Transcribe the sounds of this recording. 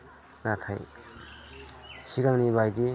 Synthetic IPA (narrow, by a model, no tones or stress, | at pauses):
nat̪ʰaj | siɡaŋnibajdi